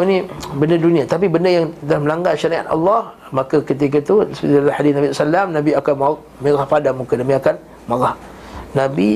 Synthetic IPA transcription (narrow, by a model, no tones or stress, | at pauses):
nĩbəndədunĩat̪ap̬ibəndəjaŋdahməlaŋɡalʃaɾia̰t̪ɑ̰lːɑh | makakət̪̬ik̬ət̪usdalahadisnabissalːamnãbiakanma | meɣahpadaŋmukənabiakan | maɣah | nabi